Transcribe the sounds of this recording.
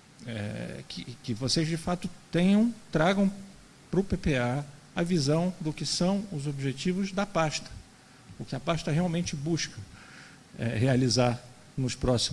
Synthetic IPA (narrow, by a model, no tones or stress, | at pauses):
ɛ̰kʰɪkɪvosezd͡ʒɪfat̪ʊt̪ẽɲɐ̃w̃t̪ɾaɡɐ̃w̃ | pɾʊpepea | ɐvizɐ̃w̃d̪ʊkɪsɐ̃w̃ʊzobiʒet͡ʃivʊzd̪ɐpaʃt̪ɐ̥ | ʊkɪɐpaʃt̪ɐɦeawmẽnt͡ʃɪbuʃkɐ | ɛ̰ɦealizaɾ | nʊʃpɾɔsi